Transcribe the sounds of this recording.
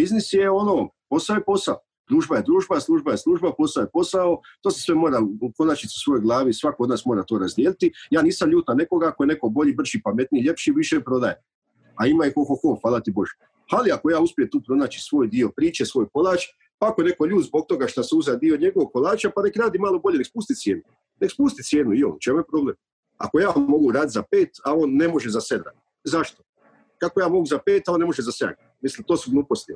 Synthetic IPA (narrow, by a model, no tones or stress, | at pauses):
biznisjeonoompo̞saojepo̞sao | d̪̥ɾuːʒbaje̞d̪ɾuːʒbaslˠuːʒbajeslˠuːʒbapo̞saojepo̞saot̪oːsesʋemoːɾako̞naːt͡ʃit̪su̥sʋo̞jojɡlˠaːʋisʋakood̪naːsmoːɾat̪o̞ːɾazd̪jelit̪ijaːniːsamʎuːt̪nane̞koɡakojene̞ko̞bo̞ʎibr̩ʒipamet̪niʎe̞pʃiʋiʃepɾo̞d̪aje | aimaixoxoxo̞ːfaːlˠat̪ibo̞ʒe | haliako̞jaːuspjemt̪uːpɾo̞naːt͡ʃi̥sʋo̞ːjd̪io̞pɾiːt͡ʃesʋo̞ːjpo̞lˠaːt͡ʃ | paakone̞ko̞ʎuːd̪zbo̞ɡ̚t̪o̞ɡaʃt̪aseuzad̪io̞ɲe̞ɡoʋoɡ̚ko̞lˠaːt͡ʃapane̞kɾaːd̪imaːlo̞boʎe̞nekspuːst̪it̪sje̞ːnu | nekspuːst̪it̪sjeːnuio̰ːnt͡ʃemujepɾo̞bleːm | a̰ko̞jaːmo̞ɡuɾaːd̪it̪zapeːt̪ao̞ːnːe̞mo̞ʒezased̪ɾa̰ːd̪ | zaʃt̪o | kakojaːmo̞ɡuzapeːt̪aonːe̞mo̞ʒezasḛɡa | mislimt̪oːsuɡlˠuːpo̞st̪i